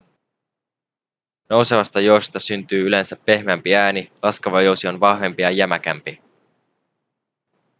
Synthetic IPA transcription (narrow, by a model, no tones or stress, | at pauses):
no̞wseʋɑst̪ɑjo̞wsi̥st̪ɑsynt̪yːyle̞nsæpːe̞hmæmpiæːnilɑskɑʋɑjo̞wsio̞nʋɑhʋe̞mpijɑjæmæk̟æ̰mpi